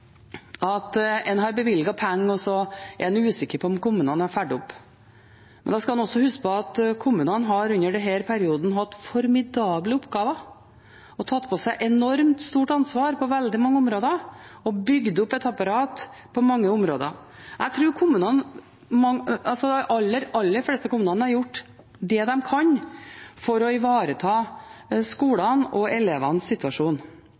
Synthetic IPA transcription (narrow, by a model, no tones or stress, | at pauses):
ɑt̪ɛnɦɑɾbəʋɪlɡɑpʰɛŋːɔsɔɛ̰ɾɛnʉːsɪkːəɾpʰɔɔmkʊmʉːnɑnæɾfæɖʊpː | mɛnd̪ɑskɑmɑnɔsːɔhʉskəpʰɔɑt̪kʰʊmʉːnənɦɑɾʉnːəɖɛɦæːɾpʰæɾɪuːd̪n̩ɦɑt̪ːfɔɾmɪd̪ɑːbləʊpɡɑːʋə | ɔt̪ʰɑt̪ːpʰɔsæɪʔɛnɔɾmt̪st̪uːʈɑnsʋɑːɾpʰɔʋɛld̪ɪmɑŋːəʊmɾoːd̪əɔbʏɡd̪ʊpːɛt̪ɑpɑɾɑːt̪ | pʰɔmɑŋːəʊmɾoːd̪ə̰ʔæɪt̪ʰɾʉːɾkʰʊmːʉːnɑn | mɑŋɑlsɔʔɑlːəɾɑlːəflɛːst̪əkʊmʉːnɑnhɑɾjʊʈː | d̪ɛd̪ɛmkʰɑɲfɔɾɔɪʋɑːɾət̪ʰɑːskuːlɑnɔɛleːʋɑnssɪt̪ʉʋɑʂuːn